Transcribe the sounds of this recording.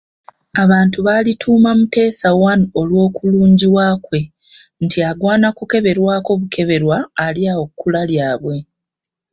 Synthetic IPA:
aβaːntuβaːlitʰuːmamute̞ːsawano̞lwo̞ːkuluːɲɟiwakwe̞ | ntiaɡwaːnakuke̞βe̞ɾwaːko̞βukʰe̞βe̞ɾwaːljaokːulaljaːβwe̞

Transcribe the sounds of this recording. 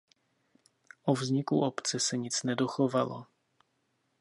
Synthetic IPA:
ʔovzɲɪkuʔopt͡sɛsɛɲɪt͡snɛdo̞xovalo̰

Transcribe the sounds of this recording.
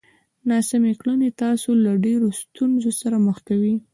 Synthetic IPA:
nɑsameklənet̪ɑsolaɖeɾost̪unzosaɾaməxkawi

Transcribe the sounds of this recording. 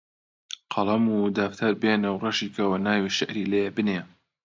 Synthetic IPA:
qʰɑlˠɐmud̪aːft̪ʰaɾbenɐwrɐʃiːkʰɐwɐnaːwiːʃɐʔɾiːlejebɨneː

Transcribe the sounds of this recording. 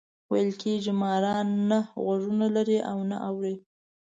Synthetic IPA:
wajəlkʰeʒimɑɾɑnːaɣaʐunalaɾiʔa̰wna̰ʔawɾi

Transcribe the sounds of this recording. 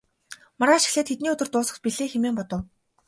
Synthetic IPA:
maɾaːʃɪ̥̆xɮeːt̪ʰːet̪niːɵt̪ɵ̆rt̪ʊːsə̆kt̪̚piɮeːxemeːmpɔt̪ə̆w

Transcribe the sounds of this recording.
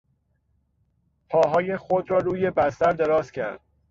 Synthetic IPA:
pʰɒːɦɒːje̞xod̪ɾɒːɾuːje̞bæst̪æɾd̪e̞ɾɒːzcʲʰæ̰ɾd̪̥̚

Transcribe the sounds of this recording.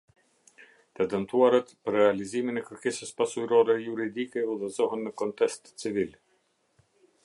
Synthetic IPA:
t̪ɛd̪ənt̪uaɾət̪pəɾrɛaliziminɛkəɾkɛsəspasujɾɔɾɛjuɾid̪ikɛuðɛzɔɦənːəkɔnt̪ɛst̪t͡sivil

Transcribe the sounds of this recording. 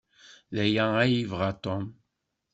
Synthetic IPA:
ðæjææjivʁat̪ɔm

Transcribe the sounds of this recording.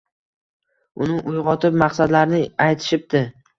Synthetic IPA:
ʊnɪʔʊjʁɒt̪ʰɪpmaqsad̪laɾnɪajt̪ʰɪ̥ʃɪp̚d̪ɪ

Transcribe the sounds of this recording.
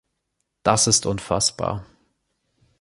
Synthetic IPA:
d̥asɪstʔʊnfa̰sb̥a̰ːɐ

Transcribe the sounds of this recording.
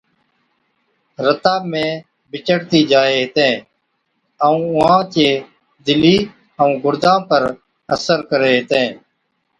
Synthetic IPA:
ɾət̪aːmẽː | bɪt͡ʃəɽt̪iːd͡ʒaːeːɦt̪ẽː | əũːʊɦãːt͡ʃeː | d̪ɪliː | əũːɡʊɾd̪ãːpəɾ | əsəɾkəɾeːɦt̪ẽː

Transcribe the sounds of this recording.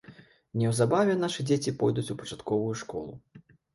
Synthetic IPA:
nʲɛwzabavʲɛnaʂɨd͡zʲet͡sʲipɔjd̪ut͡sʲupɐt͡ʂat̪kɔvujuʂkɔ̰lˠṵ

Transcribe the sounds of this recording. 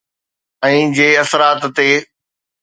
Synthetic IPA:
ɛ̃ːd͡ʑeːɐsəɾaːt̪ːeː

